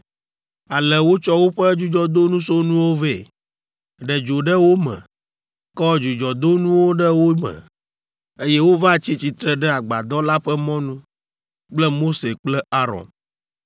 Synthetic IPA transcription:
a˨lɛ˨wo˦t͡ʃɔ˦wo˦ɸɛ˦d͡ʒu˦d͡ʒɔ˦d̪o˦nũ˦so˦nũ˦wo˦ve˦˨ | ɖɛ˨d͡ʒo˨ɖɛ˦wo˦mɛ̰̃˨ | kɔ˦d͡ʒu˨d͡ʒɔ˨d̪o˦nũ˦wo˦ɖɛ˦wo˦mɛ̰˨ | e˦jɛ˦wo˦va˦t͡ɕi˦t͡ɕi˨t̪ɾɛ˨ɖɛ˦a˨ɡ͡ba̰˨d̪ɔ˦la˦ɸɛ˦mɔ̃˦nũ˦ | k͡plɛ˦mo˦se˨k͡plɛ˦a˦ɾɔ̰˨n

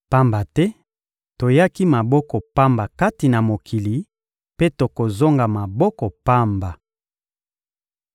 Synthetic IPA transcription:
pa˦mba˨tɛ˦ | to˨ja˦ki˦ma˨bɔ˦kɔ˨pa˦mba˨ka˦ti˨na˨mo˨kʰi˨li˨ | pe˦to˨ko˨zo˦ŋɡa˨ma˨bɔ˦kɔ˨pa˦mba˨

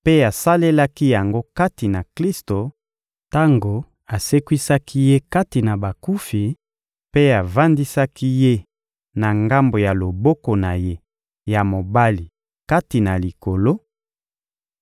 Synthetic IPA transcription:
pe˦a˨sa˦le˦la˦ki˦ja˨ŋɡo˦ka˦ti˨na˨kli˦sto˨ | ta˦ŋɡo˨ | a˨se˦kwi˦sa˦ki˦je˦ka˦ti˨na˨ba˨ku˦fi˨ | pe˦a˨va˦ndi˦sa˦ki˦je˦ | na˨ŋɡa˦mbo˨ja˨lo˨bɔ˦ko˨na˨je˦ | ja˨mo˨ba˦li˨ | ka˦ti˨na˨li˨ko˨lo˦

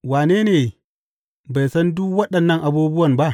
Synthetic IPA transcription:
waː˨neː˦neː˨ | ba˨jsɐ˦ndʊ˦kwɐ˦ɗɐ˨nːɐ˦ŋʔa˨buː˦bʊ˦wɐ˨mba˦ʔ

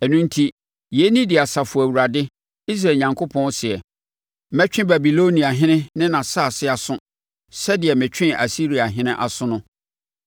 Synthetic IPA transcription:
ɛ˨nũ˦n̩˦tʰi˦ | je˨˦nĩ˦dɪ˨a˨sa˨fʊ˨æ˨wu˨ɾa˨dɪ˦ | i˦s̬ɾaː˨ɲã˨ŋkʰo˦pʰɔ̃˦n˦sɪ˨ɛ˨˦ | mɛ˦t͡ɕᶣɪ̃˦ba˨bi˨lo˦nĩ˨a˨ɦɪ̃˦nɪ̃˦nɪ̃˦nã˨sa˦˨sɪ˦a˨sʊ̃˦ | sɛ˦dɪ˨ɛ˨mɪ̃˨t͡ɕᶣɪ̃˦ʔa̰˨si˦ɾi˨a˨ɦɪ̃˦nɪ̃˦ʔa̰˨sʊ̃˦nʊ̃˦

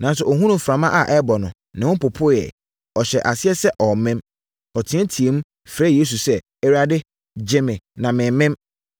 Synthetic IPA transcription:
nã˨n˦sʊ˨ʔɔ˨ɦũ˦nʊ̃˦fɾã˨mã˦ʔa˨ʔɛ˦bɔ˨nʊ̃˨ | nɪ̃˨wʊ̃˦pʊ˨pʰʊ˦jɛ̰˨ | ɔ˨ɕɛ˨ʔa˨sɪ˦ɛ˦sɛ˦ʔɔ˨mɛ̃˦m | ɔ˨tʰɪ̃˨˦ɛ̃˦tʰi˨e˨mũ˦ | fɾɛ˦je˦s̬u˨sɛ˦ | ɛ˦ɾa˨dɪ˦ | d͡ʑɪ˦mɪ̃˨nã˨mɪ̃˨mɪ̃˦m

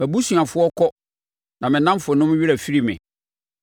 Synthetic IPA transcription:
bæ˨bu˦su˨a˨fʊ˦ɔ˦kʰɔ˦ | nã˨mɪ̃˨nã˦m˦fʊ˨ɔ˨˦nʊ̃˦m̃˦ɥi˦ɾa˨fi˦ɾi˦mɪ̰̃˨

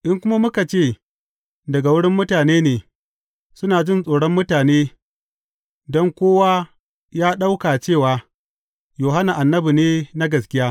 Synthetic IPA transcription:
ʔɪ˦ŋkʷʊ˦ma˦mʊ˦ka˨t͡ʃeː˦˨ | dɐ˨ɡa˨wʊ˦ɽɪ˦mːʊ˦taː˨neː˦neː˨ | sʊ˦naː˨d͡ʒɪ˦nsʼoː˨ɽɔ˦mːʊ˦taː˨neː˦ | dɔ˦ŋkʷoː˦waː˦ | jaː˦ɗa˦wkaː˨t͡ʃeː˦˨waː˨ | joː˨ɦa˦na˨ʔa˨nːɐ˦bu˨neː˦na˦ɡɐ˨skʲɪ˦jaː˦

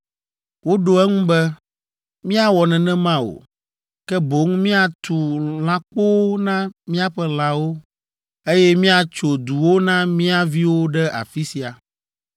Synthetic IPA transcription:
wo˦ɖo˨ɛ˦ŋũ˦bɛ˦ | mĩ˦a˦wɔ˨nɛ̃˨nɛ̃˦mã˦o̰˨ | kɛ˦bo˨˦ŋmĩ˦a˨t̪u˨lã˦k͡po˦nã˦mĩ˦a˦ɸɛ˦l̃ã˨wo˦ | e˦jɛ˦mĩ˦a˨t͡ʃo˨d̪u˨wo˦nã˦mĩ˦a˦vi˦wo˦ɖɛ˦a̰˨fi˦si˨a˨

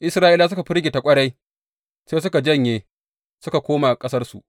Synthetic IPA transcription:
ʔɪ˦sɾaː˦ʔɪ˦la˨s̬ʊ˦ka˨ɸɪ˦ɾɡʲeː˨ta˨kʷʼɐ˦ɽa˦j | seː˦s̬ʊ˦ka˨d͡ʒɐ˦˨ɲje˨ | sʊ˦ka˨kʷoː˦maː˨kʼɐ˦sɐ˦rsṵ˨ʔ

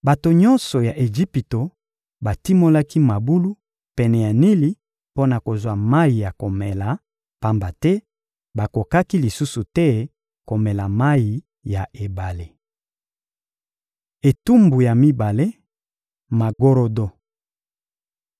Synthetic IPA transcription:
ba˨to˨ɲɔ̃˦nsɔ˨ja˨ʔe˨ʒi˦pi˨to˨ | ba˨ti˦mo˦la˦ki˦ma˨bu˦lu˦ | pɛ˨nɛ˨ja˨ni˦li˦ | po˦na˨ko˨zwa˦ma˦i˨ja˨ko˨mɛ˨la˨ | pa˦mba˨tɛ˦ | ba˨ko˨ka˦ki˦li˨su˦su˨tɛ˦ | ko˨mɛ˨la˨ma˦i˨ | ja˨ʔe˨ba˨le˦ | e˨tu˦mbu˨ja˨mi˦ba˨le˦ | ma˨ɡo˦ɾo˦do˦

